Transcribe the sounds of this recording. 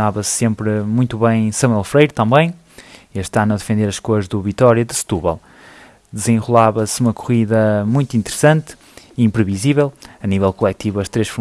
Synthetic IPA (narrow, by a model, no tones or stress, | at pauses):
avɐsːẽmpɾmũj̃t̪uβɐ̃j̃sɐmwɛlˠfɾejɾut̪ɐ̃mbɐ̃j̃ | eʃt̪anɐðɨfẽnd̪eɾɐʃkoɾʒðuvit̪ɔɾjɐðɨst̪uβɛ̰lˠ | d̪ɨzẽʁulˠaβɐsumɐkuʁiðɐmũj̃t̪ĩnt̪ɨɾɨsɐ̃nt̪ | iĩmpɾɨvizivɛlˠɐnivɛlˠkulˠɛt̪ivɐʃt̪ɾeʃfuɾ